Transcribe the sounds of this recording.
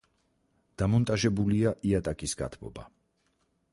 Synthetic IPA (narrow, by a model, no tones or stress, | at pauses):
d̪̥amɔnt̪ʼaʒɛbuliaʔiat̪ʼakʼisɡa̰t̪ʰbɔ̰ba̰